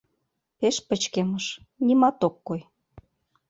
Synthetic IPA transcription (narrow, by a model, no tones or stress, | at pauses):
peʃpə̆t͡ɕkeməʃ | nʲimɑt̪okːoj